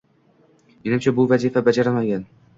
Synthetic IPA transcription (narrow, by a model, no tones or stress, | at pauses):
menɪmt͡ʃʰabʊvazifabad͡ʒaɾamaɡʲan